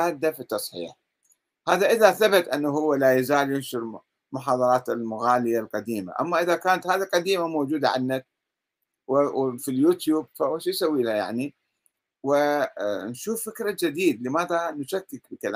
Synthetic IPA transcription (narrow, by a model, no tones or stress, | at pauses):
aːd̪ːafit̪ːɑsˤħɪ̰ja̰ | haːðaʔɪðaθabat̪ʔanːaɦʊwːalaːjazaːljɪnʃʊɾ | mʊħɑːðˤɑɾˤɑːt̪ɪlmʊɣaːlɪjalqɑd̪iːma̰ʔa̰mːaʔɪðakaːnat̪haːðiqɑd̪iːmamowd͡ʒuːd̪aʕa̰nːak̚ | wɪfiljuːt̪juːb̚fahʊwːaʃisawiːlaja̰ʕni | wɪnʃuːfːɪkɾad͡ʒɪd̪iːd̪lɪmaːðanʊʃakːɪkbɪkalaː